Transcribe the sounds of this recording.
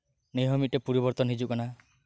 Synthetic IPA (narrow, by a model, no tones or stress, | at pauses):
nejɦɔmiʈepuɾibɔɾt̪ɔnɦid͡ʒukɔna